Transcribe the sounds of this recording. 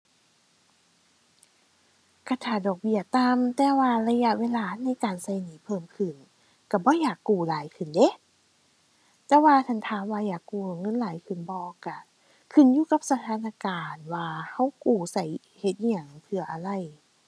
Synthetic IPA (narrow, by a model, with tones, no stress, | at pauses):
ka˧˩t̪ʰaː˧˩dɔː˨˩k̚bi˧˩ɐt̪a˧mt̪ɛː˧waː˧la˧ja˧˥ʔweː˧laː˧na˧˥˨jkaː˨nsa˧˩jniː˨˦pʰɤː˧˩mkʰɯ˧˩n | ka˧˩bɔː˧˦jaː˨˩kːuː˨˩laː˨˦jkʰɯ˧˩˨nde˧˦˨ | t̪ɛː˧waː˧t̪ʰa˧˩nt̪ʰaː˧˦mwaː˧jaː˨˩kːuː˨˩˨ŋɤ˧˥˨nlaː˨˦jkʰɯ˧˩nbɔː˧˦ka˧˩ | kʰɯ˧˩˨njuː˧˦ka˧˦p̚sa˧t̪ʰaː˧˥na˧kaː˨˩nwaː˧ha˧˥˩wkuː˨˩sa˧˩j | he˧˦t̪̚a˧˩ŋpʰɯ˧ɐʔa˨˩la˧˩˨j